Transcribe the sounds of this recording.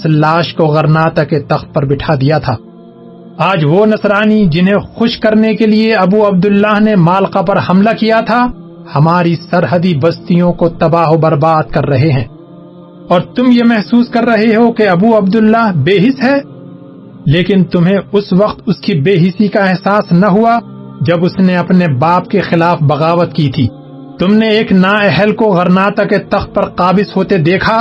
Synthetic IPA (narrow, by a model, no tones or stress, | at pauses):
slaːʃkoɣɐɾnaːt̪aket̪ɐxt̪̚pɐɾbɪʈʰad̪ijat̪ʰaː | aːd͡ʒʋonɐsɾaːnid͡ʒɪnɦẽxʊʃkɐɾnekelieɐbuɐb̚d̪ʊlːaːɦnemaːlqapɐɾhɐmlakijat̪ʰa | hɐmaːɾisɐɾɦəd̪ibɐst̪ijõkot̪ɐbaːɦobɐɾbaːd̪̚kɐɾːɐɦeɦɛ̃ː | ɔːɾt̪ʊmjemɛɦsuːskɐɾːɐɦeɦokeɐbuɐb̚d̪ʊlːaːɦbeːɦɪsɦɛː | leːkɪnt̪ʊmɦẽʊsʋɐqt̪ʊskibeːɦɪsikaɛɦsaːsnɐɦua | d͡ʒɐbʊsneɐpnebaːp̚kexɪlaːfbɐɣaːʋət̪kit̪ʰiː | t̪ʊmneeːknaːɛɦəlkoɣɐɾnaːt̪aket̪ɐxt̪̚pɐɾqaːbɪsɦoːt̪ed̪eːkʰa